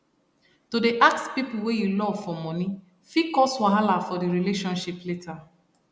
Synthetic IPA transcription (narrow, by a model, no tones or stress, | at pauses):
todeʔak̚spipulwejulɔv̥fɔmɔ̃ni | fikɔswãɦalafɔdiɹileʃɔ̃nʃipletʰa